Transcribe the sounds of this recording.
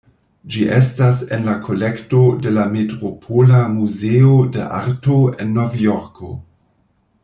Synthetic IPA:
d͡ʒiʔestasenlakʰo̞lektode̞lametɾopʰolamuzeodeʔa̰ɾtoenːovjoɾkʰo̰

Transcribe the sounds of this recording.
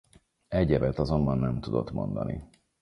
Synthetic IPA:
ɛɟɛvɛt̪ɒzo̞mbɒnːɛmt̪ud̪o̞t̪mo̞̰nd̪ɒ̰nḭ

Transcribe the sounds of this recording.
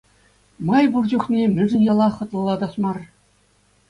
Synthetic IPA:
mɑjburd͡ʑuχnʲemʲɘ̆ʐɘ̆nʲɑlˠɑχɤ̆t̪lˠɤ̆lˠɑd̪ɑsmɑr

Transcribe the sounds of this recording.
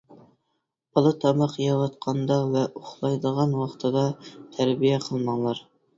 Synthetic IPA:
bɑlˠɨt̪ʰɑmɑqjɑɾɑt̪̚qʰɑnd̪ɑvɛʔoχlˠɑjd̪əʁɑnwɑχt̪ʰɨd̪ɑt̪ʰæɾbijɛqʰəlˠmɑŋlˠɑɾ

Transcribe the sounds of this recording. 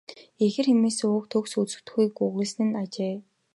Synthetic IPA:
exɘ̆rxemeːsʊːk̚t̪ʰɵksut͡sɘ̆w̥t̪xiːkɵɣŭɮsnɘ̆nat͡ɕeː

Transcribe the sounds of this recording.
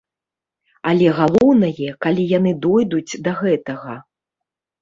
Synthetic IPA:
alʲɛɣalˠɔwnɐjɛkalʲijan̪ɨd̪ɔjd̪ud͡zʲd̪ɐɣɛt̪ɐɣɐ

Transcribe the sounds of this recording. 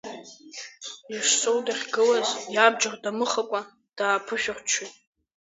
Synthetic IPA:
iʂsowdaχʲɡɨlazjab̚d͡ʒardamɨχakʷʼa | d̥aːpʰɨʃᶣarʷt͡ʃʰutʼ

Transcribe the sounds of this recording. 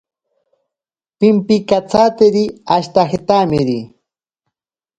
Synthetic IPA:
pimpikat͡sat̪eɾiaʃt̪axet̪amɪɾi

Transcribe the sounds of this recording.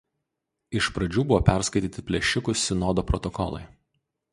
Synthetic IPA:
ɪʃpɾɐd͡ʒʲuːbʊʋoːpʲæˑɾskɐɪt̪ʲiːt̪ʲɪpʲlʲɛʃʲɪkʊsʲsʲɪnɔd̪oːpɾɔt̪ɔkɔ̰lˠɐ̰ɪ

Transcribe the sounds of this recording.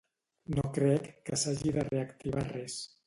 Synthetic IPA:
nokɾɛkːəsaʒiðəreəkt̪iβarɛs

